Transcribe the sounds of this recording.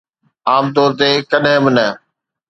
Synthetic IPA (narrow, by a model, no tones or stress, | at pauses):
aːmt̪ɔːɾt̪eːkəɗɦẽːbɪnə